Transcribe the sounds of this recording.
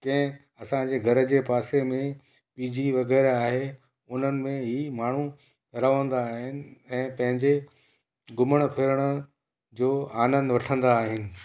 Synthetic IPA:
kɐ̃ɦɪ̃ | ɐsãd͡ʑeːɡʱɐɾə̆d͡ʑeːpaːsemẽ | piːd͡ʑiʋɐɣɛːɾaːɦe | ʊn̤ənɪ̆mẽɦimaːɳ̤u | ɾɐʋə̃nd̪aːɦɪnɪ̆ɛ̃ːpɐ̃ɦɪ̃ɲd͡ʑe | ɡʊməɽ̃pʰɪɾəɽ̃ʊ̆ | d͡ʑoːaːnə̃nd̪ʋɐʈʰə̃nd̪aːɦɪnɪ̆

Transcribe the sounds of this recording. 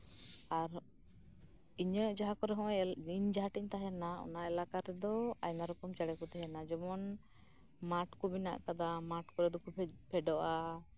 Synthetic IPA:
aɾ | iɲəd͡ʒaɦakɔɾɛɦɔ̃iɲd͡ʒaɦaʈiɲt̪aɦɛnaɔ̰naɛlakaɾɛd̪ɔa̰jnaɾɔkɔmt͡ʃaɽɛkɔt̪ɛɦɛnad͡ʒɔmɔn | maʈkubina̰ʔkad̪amaʈkɔɾɛd̪ɔkupʰɛɖɔʔa

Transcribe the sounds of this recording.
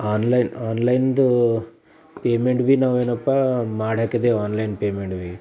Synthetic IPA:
aːnlɐjnaːnlɐjnd̪u | peːmeɳʈʋiːnaːʋeːnɐpːamaːɽaːkid̪eaːnlɐjnpeːmeɳʈʋi

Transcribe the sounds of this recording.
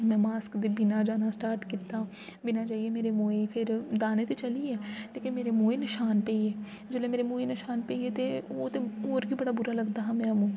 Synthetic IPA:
mɛ̃ːmaːskd̪ebɪnaːd͡ʒaːnasʈaːɾʈkɪt̪ːaː | bɪnaːd͡ʒaːiemeːɾemoːepʰɪɾd̪aːnet̪et͡ʃəliːɛːleːkɪnmeːɾemoːenɪʃaːnpɛːieː | d͡ʒoːlẽːmeːɾemõːenɪʃaːnpeiet̪eoːt̪eoːɾbiːbəɽaːbʊɾaːləɡd̪aːɦãːmeːɾamũː

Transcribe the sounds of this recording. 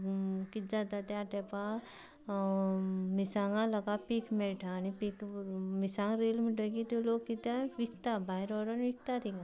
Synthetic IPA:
kit̪̚d͡ʒad̪at̪aʈ̪ɛpa | misaːŋɡãlɐɡapikmeʈʰanipikmisãːŋɾeːlmiʈəɡit̪uloːɡkit̪aʋikʰt̪abaːɦiɾɔːɾənʋik̚ʰt̪at̪ʰiɡa

